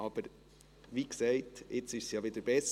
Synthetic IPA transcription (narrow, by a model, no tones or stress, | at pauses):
ɑb̥əɾ | ʋiksɛɪtɪt͡sɪʃsjɑːʋɪd̥̪əɾb̥ɛs